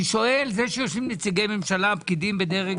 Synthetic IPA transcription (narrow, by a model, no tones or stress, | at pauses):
iʃo̞e̞lzeʃejoʃimnet͡siɡejme̞mʃalapkid̪imbed̪eʁe